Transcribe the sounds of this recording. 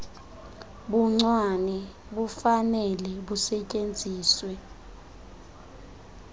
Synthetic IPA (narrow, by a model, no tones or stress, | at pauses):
ɓuŋ͡ǀwanɛ | ɓufanɛlɛɓusɛcʼend͡zʱiːswɛ